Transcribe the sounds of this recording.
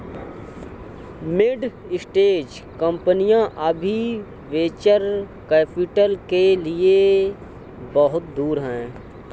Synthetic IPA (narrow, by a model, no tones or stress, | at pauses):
mɪɖ | ɪsʈeːd͡ʒ | kə̃mpənijãʔəbʱi | ʋeːt͡ʃəɾ | kɛːpɪʈəlkelie | bəɦʊt̪̚d̪uːɾɦɛ̃ː